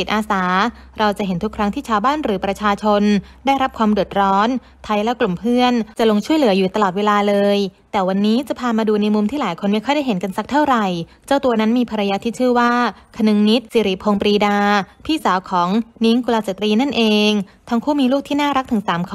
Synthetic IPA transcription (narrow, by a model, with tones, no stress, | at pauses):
si˨˩t̪ʔaː˧saː˩˦ | ɾa˧wt͡ɕa˨˩ʔɦe˩˦nt̪ʰu˦˥kʰɾa˦˥ŋt̪ʰiː˥˩t͡ɕʰaː˧wbaː˥˩nɾɯː˩˦pɾa˧t͡ɕʰaː˧t͡ɕʰo˧ndaː˥˩jɾa˦˥p̚kʰwaː˧mdu˨˩ət̪̚ɾɔː˦˥n | t̪ʰa˧jlɛ˦˥klu˨˩mpʰɯ˥˩ənt͡ɕa˨˩ʔlo˧ŋt͡ɕʰu˥˩əjlɯ˩˦ɐjuː˨˩t̪a˧lɔː˨˩t̪̚weː˧laː˧lɤː˧jt̪ɛː˨˩wa˧nːiː˦˥t͡ɕa˨˩pʰaː˧maː˧duː˧na˧jmu˧mt̪ʰiː˥laː˩˦jkʰo˧nma˥jkʰɔ˥˩jda˥˩ɦe˩˦nka˧nsa˧˥k̚t̪ʰa˥˩wɾa˨˩j | t͡ɕaː˥˩wt̪u˧ɐna˦˥nmiː˧pʰa˧ɾa˧jaː˧t̪ʰiː˥˩t͡ɕʰɯː˥˩waː˥˩kʰa˧nɯ˧ŋni˦˥t̪̚siː˨˦ɾi˨˩pʰoː˧ŋpɾiː˧daː˧pʰiː˥˩saː˨˩˦wkʰɔː˩˦ŋni˦˥ŋku˧laː˧sa˨˩t̪ɾiː˧na˥˩nʔeː˧ŋt̪ʰa˦˥ŋkʰuː˥˩miː˧luː˥˩k̚t̪ʰiː˥˩naː˥˩ɾa˦˥k̚t̪ʰɯ˩˦ŋsaː˩˦mkʰ